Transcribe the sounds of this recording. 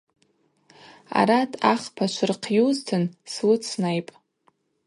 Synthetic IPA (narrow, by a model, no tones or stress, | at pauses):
a̰ɾatʼʰaχpʰat͡ʃʷʰɨrqʰjuztʰɨnswʊt͡sʰnajpʼ